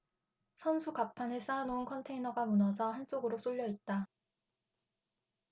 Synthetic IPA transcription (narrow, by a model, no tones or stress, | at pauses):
sʰʌnsʰukapʰanɯɭs͈anounkʰʌntʰe̞inʌɡamunʌsʰʌɦant͡ɕ͈oɡɯɾos͈ʰoʎːjʌit̚t͈a